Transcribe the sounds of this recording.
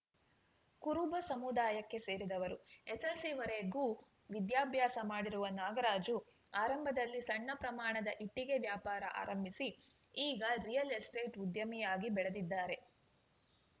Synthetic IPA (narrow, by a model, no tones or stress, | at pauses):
kuɾubɐsɐmud̪aːjɐkːe̞se̞ːɾid̪ɐʋɐɾueselsiʋɐɾeɡuː | ʋid̪jaːbʱjaːsɐmaːɽiɾuʋɐnaːɡɐɾaːd͡ʒu | aːɾɐmbʱɐd̪ɐlːisɐɳːɐpɾɐmaːɳɐd̪ɐʔiʈːiɡe̞ʋjaːpaːɾɐ̰ʔa̰ːɾɐmbʱisi | iːɡɐɾijɐlesʈe̞ːʈud̪jɐmijaːɡibɛɭed̪id̪ːaːɾe̞